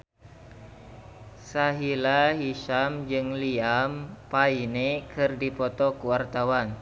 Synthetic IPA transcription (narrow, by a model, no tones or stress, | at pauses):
saɦilaɦiʃamd͡ʒɨŋliampainekɨrdipɔt̪ɔkuwart̪awan